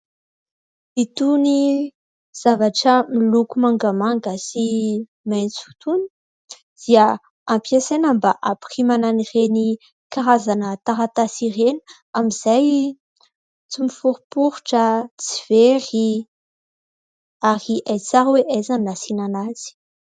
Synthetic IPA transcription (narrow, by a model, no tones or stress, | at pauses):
it̪uni | z̥avaʈ͡ʂəmilukumaŋɡamaŋɡəsi | majnt͡su̥t̪uni̥ | d̪̥ia | ampiasenambaʔapχimananireni | kaɾazanət̪aɾat̪asirenu̥ | amiz̥aj | t͡simifuɾupuɾuʈ͡ʂət͡siveɾi | aɾiʔajt͡saɾweʔezannasinanaz̥i̥